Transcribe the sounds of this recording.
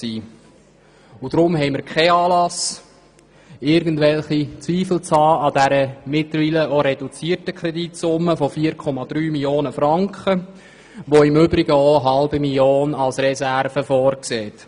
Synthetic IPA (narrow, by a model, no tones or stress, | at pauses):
siː | ud̥ɾʊmɦɛɪməɾkʰɛɑːlɑs | ɪɾɡən̩dʋɛlχit͡sʋiːfl̩t͡shɑːɑdæɾəmɪtləɾviːləoɾɛdut͡siːtəkʰɾɛditsʊmːəfofiːəɾkʰɔmɑd̥̪ɾyːmiljoːnəfɾɑŋkχə | ʋoɪmʏbɾɪɡəoɦɑlbimiljoːnɑlsrɛsæɾfəfɔːrkseːt